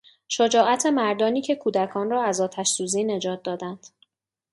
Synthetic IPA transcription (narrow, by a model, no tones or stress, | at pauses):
ʃod͡ʒɒːæt̪ʰe̞mæɾd̪ɒːniːcʰe̞kʰuːd̪ækʰɒːnrɒːæzɒːt̪ʰæʃsuːziːne̞d͡ʒɒːt̪̚d̪ɒːd̪ænd̪̥